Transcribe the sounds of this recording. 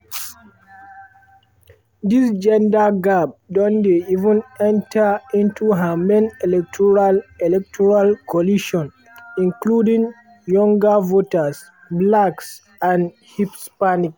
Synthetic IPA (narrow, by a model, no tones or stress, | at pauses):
d̪isd͡ʒɛ̃ndaɡab̚dɔ̃ndeivə̃nɛ̃ntʰaĩntuɦamẽnɛlɛk̚tʰɔɹalɛlɛk̚tʰɔɹalkʰɔliʃɔ̃n | ĩnkludĩŋ | jɔ̃ŋɡəvotas | blaks | ãn | hipspanik